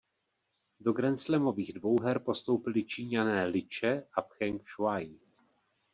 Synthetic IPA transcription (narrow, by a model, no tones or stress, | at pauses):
do̞ɡɾɛnt͡slɛmo̞viːɣdvo̞wɦɛɾpo̞st̪o̞wpɪlɪt͡ʃiːɲanɛːlɪt͡ʃɛʔapxɛŋkʃvaj